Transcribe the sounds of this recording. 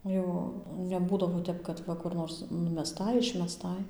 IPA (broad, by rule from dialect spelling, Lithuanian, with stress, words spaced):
ˈjɛʊ nʲɛˈbuːdɐʋoː ˈtʲɛp kɐt ˈʋɐ kʊr ˈnoːrs nʊmʲɛˈstɐɪ ɪʃʲmʲɛˈstɐɪ